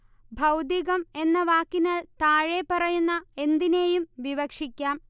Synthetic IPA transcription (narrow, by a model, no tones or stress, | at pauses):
bʱɐwd̪iɣɐme̞nːɐʋaːkːinɐɭt̪aːɻepɐrɐjunːɐe̞nd̪ine̞ːjumʋiʋɐkʂikʲːaːm